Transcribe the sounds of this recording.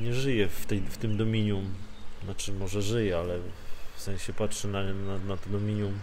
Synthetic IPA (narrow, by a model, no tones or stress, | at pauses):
ɲɛʐɘjɛft̪ɛjft̪ɘmd̪ɔmʲiɲjumnat͡ʂɘmɔʐɛʐɘjɛalɛfsɛ̃ñɕɛpatʂɛnananat̪ɔd̪ɔmʲiɲum